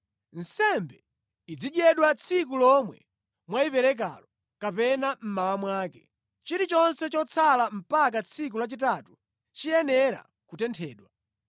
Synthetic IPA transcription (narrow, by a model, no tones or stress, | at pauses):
n̩sɛmbɛ | id͡ziɗɛɗwat͡sʰik̬ulɔmwɛ̰ | mwaipɛɾɛk̬a̰lɔ | kapɛnam̩mawamwaːkɛ | t͡ʃiɾit͡ʃɔnsɛt͡ʃɔt͡sʰalam̩pak̬at͡sʰik̬ulat͡ʃitatu | t͡ʃijɛnɛɾa̰ | kutɛntʰɛːɗwa